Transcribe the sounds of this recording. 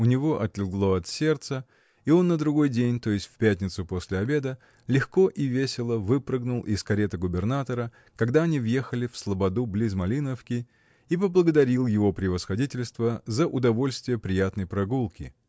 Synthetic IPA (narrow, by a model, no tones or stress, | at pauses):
ʊnʲɪvo̞ʔɐt̪lʲɪɡlˠo̞ɐt̪sʲe̞rt̪sə | ɪo̞nːəd̪ɾʊɡo̞jdʲenʲt̪o̞jɪsʲt̪ʲfʲpʲætʲnʲɪt̪sʊpo̞sʲlʲɪɐbʲe̞d̪ə | lʲɪxko̞ʔɪvʲesʲɪlˠəvɨpɾəɡnʊlˠʔɪ̰skɐɾʲet̪əɡʊbʲɪrnat̪əɾə | kɐɡd̪aɐnʲivjexəlʲɪfslˠəbɐd̪ublʲizmɐlʲinəfkʲɪ | ipəblˠəɡəd̪ɐɾʲilˠjɪvo̞pɾʲɪvəsxɐdʲitʲɪlʲst̪vəzəʔʊd̪ɐvo̞lʲst̪vʲɪjəpɾʲɪjat̪nəjpɾɐɡulˠkʲɪ̰